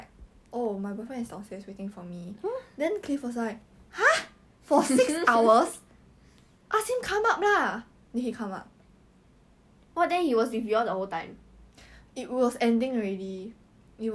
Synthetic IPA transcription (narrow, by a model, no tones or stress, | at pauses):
ʔomajbɔfɹɛ̃nstɔ̃seswetɪ̃ŋfɔmidɛ̃nkʰlifɔs̬aɪ | ha | fɔsiksawəs | ʔashĩmkʰãmap̚la | nihikʰãma̰p̚ | wɔt̚dɛ̃hiwɔsdiviədəholtãɪ̃m | it̚wɔsɛ̃ndĩŋɔɹedi | i